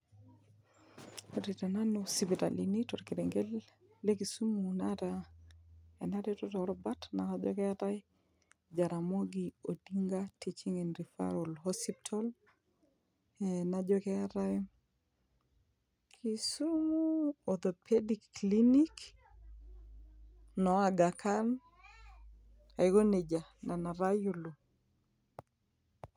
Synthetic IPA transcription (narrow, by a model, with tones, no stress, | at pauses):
oɾi˨ta˨na˦nosipi˨ta̰˨linitɔ˨ɾkiɾɛŋɡe˦l | lekisu˦munata | ɛ˨na˦tɛ˦tɔ˦tɔ˨ɾɔba˦tna˨kad͡ʒɔ̰˦kɛa˦ta˦j | d͡ʒa˨ɾa˨mo˦ɡio˨diŋɡati˦t͡ʃi˦ŋɛ˨nɾi˨fa̰ɾo˨lɦɔsip̚tʰɔl | ɛna˨d͡ʒɔkɛ˦aɾa˦ | kʰi˨su˦muot̪o˨pʰedikːlinik | nɔ˨a˨ɡa˨ka˦n | a˨iɡo˦ne˨d͡ʒa˨na˨na˨ɾa˦ju˨lu˨